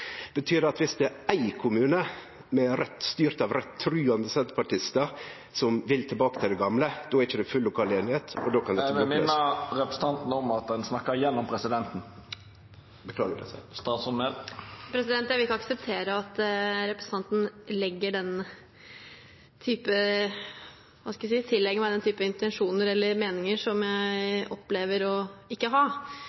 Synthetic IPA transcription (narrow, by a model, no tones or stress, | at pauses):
b̥ət̪ʰyːd̪ɛɑt̪ʋɪsd̪ɛææɪkʰʊmʉːnə | mɛɾɛt̪ːst̪yːɾt̪ɑʋɾɛt̪ʰːɾʉːɑnd̪əsɛt̪pʰɑʈɪst̪ə | sɔmʋɪlt̪ʰɪlbɑːkət̪ʰɪld̪ɛɡɑmləd̪̥oːæɾɪçəd̪ɛfʉlːʊkʰɑːleːnɪheːt̪ɔ̰d̪oːkʰɑnd̪ɛəɛmɪnːəɾɛpɾəsət̪ɑnt̪nəɔmɑt̪̚d̪ɛnsnɑkːəjɛnːɔmpʰɾɛsɪd̪ɛnt̪n̩ | bəkʰlɑːɡəd̪ɛ̰sɛ̰st̪ɑːt̪sɔnməlpʰɾɛsɪd̪ɛnt̪jæɪʋɪɪkːəɑksəp̚t̪ʰeːɾəɑt̪ɾɛpɾəsn̩ɑnt̪n̩lɛɡːəɖɛn | t̪ʰyːpə | ʋɑsks̬iːət̪ʰɪlːɛɡəmæɪɛnt̪ʰyːpəɪnt̪ɛnʂuːnəɾɛlːəɾmeːnɪŋəʂɔmjæɪɪɔpːleːʋəɾɔɪkːəɦɑː